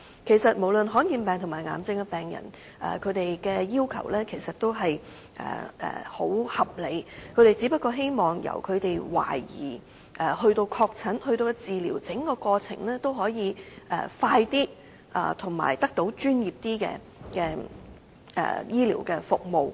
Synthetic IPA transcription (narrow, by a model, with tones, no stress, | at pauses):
kʰe˨˩jsɐ˨t̚mo˨˩wlɵ˨nɦɔː˨˥nkiː˧npɛː˨ŋt̪ʰʊ˨˩maː˨˩jŋa̰ː˨˩mt͡sɪ˧ŋkɛ˧pɛː˨˩ŋjɐ̰˨˩n | ʔɛ̰ː˨˩kʰɵ˨˧ɥt̪e˨jkɛː˧jiː˥wkʰɐ̰˨˩wlɛː˥kʰe˨˩jsɐ˨t̚t̪o˥wɦɐ˨j | ʔɛ̰ː˨˩ɛ̰ː˨˩ho˨˥whɐ˨p̚le˨˧˥jkʰɵ˨˧ɥɾe˨jt͡si˨˥pɐ˥t̚kːɔː˧ɦe˥jmɔː˨˩ŋjɐ̰˨˩wkʰɵ˨˧ɥt̪e˨jwa̰ː˨˩jḭː˨˩ | ʔɛ˨hɵ˧ɥt̪o˧wkʰɔː˧k̚t͡sʰɐ˨˥nhɵ˧ɥt̪o˧wkɛ˧t͡siː˨liː˨˩wt͡sɪ˨˥ŋkɔː˧kɔː˧t͡sʰɪ̰˨˩ŋlɛː˥t̪o˥wɦɔː˨˥jiː˨˧ʔɛ̰ː˨˩faː˧jt̪iː˥ | ʔa̰ː˨t̪ʰʊ˨˩ŋma̰ː˨˩jt̪ɐ˥k̚t̪o˨˥wt͡ʃyː˥njiː˨˩p̚t̪iː˥kɛ̰ː˧ | kɛː˧ | ʔɛ̰ː˨jiː˥lḭ˨˩wkɛː˧fʊ˨k̚mo˨w